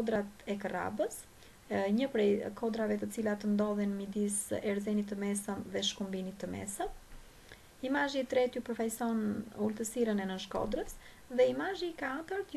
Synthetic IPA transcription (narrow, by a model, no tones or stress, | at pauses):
d̪ɾat̪ɛkəɾa̰bəs | ɲəpɾɛkʰɔd̪ɾavɛt̪ət͡silat̪ənd̪ɔðɛnmid̪isɛɾzɛnit̪ːəmɛsəmðɛʃkumbinit̪ːəmɛ̰səm | imaʒit̪ɾɛt̪jupəɾfajsɔnult̪əsiɾənɛnənʃkɔ̰d̪ɾəs | ðɛimaʒiːkat̪əɾt̪